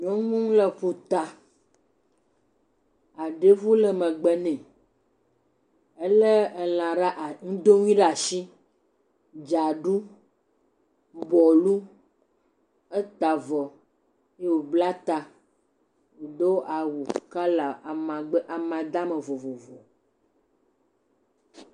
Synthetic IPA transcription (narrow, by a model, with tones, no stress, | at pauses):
ɲɔ̃˦ŋũ˦ŋ˦lɛ˦ɸu˨t̪a˨ | a˨ɖe˦vu˦lɛ˦mɛ̃˨ɡ͡bɛ˦nɛ̃˨ | ɛ˦le˦ɛ˨l̃ã˨ɖa˦ʔŋũ˦d̪o˦ŋũ˦ĩ˦ɖa˨ʃi˦ | d͡ʒa˨ɖu˦ | bɔ˨lu˦ | ɛ˦t̪a˨vɔ˨ | je˦wo˨bla˦t̪a˨ | d̪o˦wʔa˨wu˨ka˦la˨a˨mã˨ɡ͡bɛ˦ʔa˨mã˨d̪a˦mɛ˨vo˨vo˨vo˨